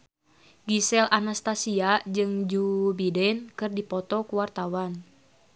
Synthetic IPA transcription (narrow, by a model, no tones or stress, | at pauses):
ɡisɛlʔanast̪asiad͡ʒɨŋd͡ʒubidɛnkɨrdipɔt̪ɔkuwart̪awan